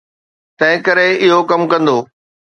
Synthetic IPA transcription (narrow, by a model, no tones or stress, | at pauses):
t̪ɐ̃ɦɪ̃kɐɾeɪɦokɐmkɐ̃nd̪oː